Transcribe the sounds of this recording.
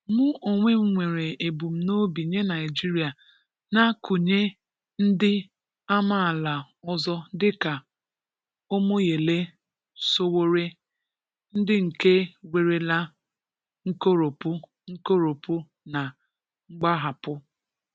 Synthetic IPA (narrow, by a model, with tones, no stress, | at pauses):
mʊ˦ʔo˨ŋʷe˦m̩˦ŋʷe˨ɾe˨e˨bu˨m̩˦no˦bi˨ɲe˦na˨ɪ˨d͡ʒi˦ɾi˨a˨ | na˦ku˨ɲe˦ | n̩˦dɪ˦ | a˦ma˦a˨la˨ | ɔ˦zɔ˦dɪ˦ka˨ | o˦mo˦je˨le˦ | so˦wo˦ɾe˦ | n̩˦dɪ˦ŋ̩˨ke˦wʷe˨ɾe˨la˦ | ŋ̩˦ko˦ɾo˨pu˦ | ŋ̩˦ko˦ɾo˨pu˦ | na˨ | ŋ͡m̩˦ɡ͡ba˦ɦa˨pʊ˦